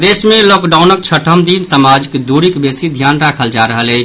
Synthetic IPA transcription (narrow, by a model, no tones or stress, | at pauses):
d̪esmẽlɔːkɖaːʊnək̚t͡ʃʰəʈʰəmd̪insəmad͡ʒkd̪uɾikbesid̪ʱjaːnɾakʰəld͡ʒaɾəɦəlɛ